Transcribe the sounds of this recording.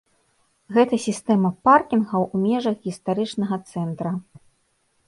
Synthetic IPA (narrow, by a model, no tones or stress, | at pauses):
ɣɛt̪ɐsʲist̪ɛmɐparkʲinɣɐwumʲɛʐɐɣɣʲist̪aɾɨt͡ʂnɐɣɐt̪sɛnt̪ɾɐ